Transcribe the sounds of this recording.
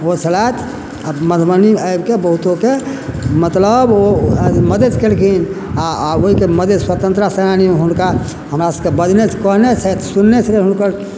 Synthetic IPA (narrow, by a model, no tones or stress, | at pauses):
ot͡ʃʰəlajt̪ʰ | məd̪ʱməniəjbkebəɦut̪okemət̪ləboməd̪ʱet͡ʃkelkʰinaoɦikeməd̪ʱeswat̪ə̃nt̪ɾasənaniõɦunka | ɦəmɾasəbkebəd̪ʱnet͡ʃʰkənet͡ʃʰɛt̪sunːet͡ʃʰəleɦunkəɾ